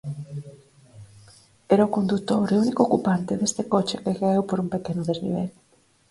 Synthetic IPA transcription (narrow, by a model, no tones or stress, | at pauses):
eɾaokond̪ut̪oɾeunikokupant̪ɪðest̪ekot͡ʃɪkekaewpoɾumpekenʊðeznḭβ̞el